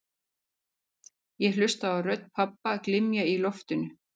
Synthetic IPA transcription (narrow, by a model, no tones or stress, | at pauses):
jɛl̥ʏst̪aːwrœt̪n̥pʰapːaklɪmjailɔft̪ʏnʏ